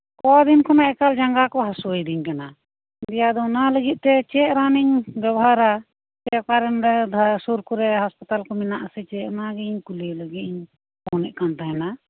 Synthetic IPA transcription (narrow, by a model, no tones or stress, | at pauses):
kɔd̪inkʰɔnaʔɛkald͡ʒaŋɡakɔɦasuəjd̪iɲkana | d̪ɛjad̪ɔnaləɡit̪̚t̪ɛt͡ʃɛɾaniɲbɛbɦaɾa | t͡ʃɛkaɾɛnɾɛd̪ʱasuɾkuɾɛɦaspat̪alkɔminaʔasɛt͡ʃɛʔnaɡɛiɲkuliləɡiiɲ | pɔnɛʔkant̪aɛna